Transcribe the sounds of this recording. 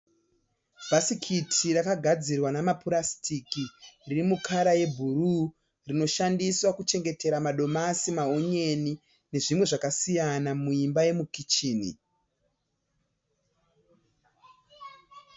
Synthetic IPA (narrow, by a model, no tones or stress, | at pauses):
bʱasikʰitʰirakaɡʱad͡zirwanamapuɾastʰikiririmukʰaɾaje̞bʱuɾu | rino̞ʃandiswakut͡ʃe̞ŋɡe̞te̞ɾamaɗo̞masimaoɲe̞ni | ne̞ʐimwe̞ʐakasijanamuimbaje̞mukit͡ʃiːnḭ